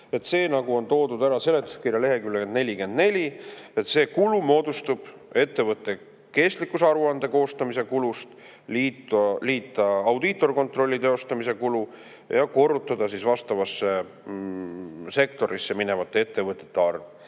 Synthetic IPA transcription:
e̞t̪se̞ːnɑɡuo̞nt̪o̞ːd̪ud̪æɾɑse̞le̞t̪ːˑu̥skirjɑle̞ɦe̞kylːke̞nd̪ne̞lʲike̞nd̪̥ne̞lʲie̞t̪se̞ːkulumo̞ːd̪̥ust̪ub̥ | e̞t̪ːe̞vɤt̪ːˑe̞ | ke̞st̪likːˑusɑɾuɑnd̪̥e̞ko̞ːst̪ɑmise̞kulust̪ | liːt̪liːt̪ːˑɑɑwd̪̥it̪ːˑo̞rko̞nt̪ro̞lʲːit̪e̞o̞st̪ɑmise̞kulu | jɑko̞rːut̪ːˑɑd̪̥ɑsisvɑst̪ɑvɑsːe̞ | se̞k̚t̪o̞ɾisːe̞mine̞vɑt̪ːˑe̞et̪ːe̞vɤt̪ːˑe̥t̪ːeɑrv

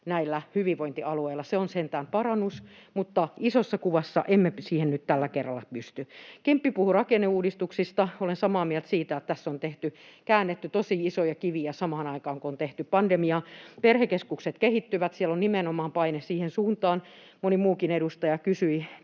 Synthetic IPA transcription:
næilːæhyʋiʋʋoint̪iɑlueilːˑɑseonsent̪æːmpɑrɑnːusmut̪ːɑisosːɑkuʋɑsːɑ̰ʔemːesiːhennyt̪t̪ælːækerːɑlːɑpyst̪ykempːipuhurɑkenːeuːdist̪uksist̪ɑolensɑmɑːmiælt̪siːt̪æjot̪t̪æsːont̪eht̪ykæːnːet̪ːyt̪osiisojɑkiʋiæsɑmɑːnɑikɑːŋkoont̪eht̪yppɑndemiɑperhekeskukset̪kehit̪ːyʋæt̪siɛlonnimenomɑːmpɑinessiːhensuːnt̪ɑːn | monimuːkineɾust̪ɑjɑkysyi

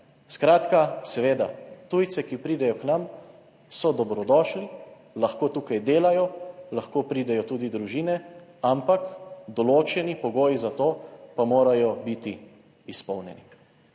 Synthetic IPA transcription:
skɾaːt̪kasɛʋeːd̪a̰t̪uːjt̪sɛkipɾiːd̪ɛjɔknam | sɔd̪ɔbɾɔd̪ɔːʃli | laxkoːt̪uːkajd̪eːlajɔlaxkoːpɾiːd̪ɛjɔt̪uːd̪id̪ɾuʒiːnɛampakd̪ɔloːt͡ʃɛnipɔɡoːjizat̪oːpamoːɾajɔbit̪iː | spɔwnjɛ̰nḭ

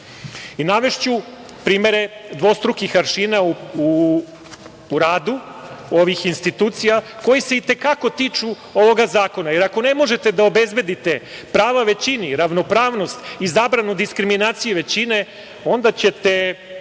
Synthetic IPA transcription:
inaʋe̞ʃt͡ɕu | pɾiːme̞ɾe̞d̪ʋo̞st̪ɾukixaɾʃinauu | ɾaːd̪uo̞ʋixinst̪it̪uːt̪sijako̞jiseit̪e̞kako̞t̪iːt͡ʃu | o̞ʋo̞ɡazaːko̞naje̞ɾako̞ne̞mo̞ʒet̪e̞d̪ao̞be̞zbe̞d̪it̪e̞pɾaːʋaʋe̞t͡ɕiniɾaʋno̞pɾaːʋno̞st̪izaːbɾanud̪iskɾiminaːt̪sijuʋe̞t͡ɕine̞ | o̞nd̪at͡ɕe̞t̪e̞

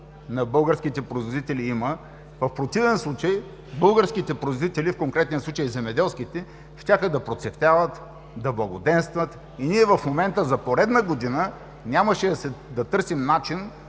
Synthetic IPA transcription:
nɐbɤlˠɡəɾskit̪ɛpɾoizvod̪it̪ɛlʲiimə | vɐfpɾot̪ivɛnslˠut͡ʃəj | bɤlˠɡəɾskit̪ɛpɾoizvod̪it̪ɛlifkoŋkɾɛt̪nʲiəslˠut͡ʃəjzɛmɛd̪ɛlˠskit̪ɛ | ʃtʲaxəd̪ɐpɾot̪sɛft̪ʲavət̪ | d̪ɐblˠɐɡod̪ɛnst̪vət̪ | iniɛvɐfmomɛnt̪əzɐpoɾɛd̪nəɡod̪inə | nʲaməʃɛd̪ɐsɛd̪ɐt̪ɤɾsimnat͡ʃin

